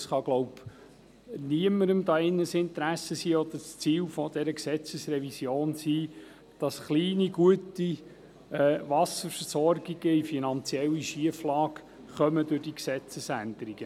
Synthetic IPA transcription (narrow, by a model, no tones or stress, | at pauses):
sχɑɡ̥lɔʊb | niəməɾəmd̪ɑɪnːəsɪnt̪ɾæsəsiːɔd̪əst͡siːlfɔd̥̪ɛɾəksɛt͡səsrɛvisjoːnsiː | d̥ɑsχliːniɡ̥uəti | ɛːʋɑsəɾfəsɔrɡ̥iɡ̥əifinɑnt͡sjɛlːiʃiəflɑːk | χœmədʊd̥iksɛt͡səsænd̥̪əɾiɡ̥ə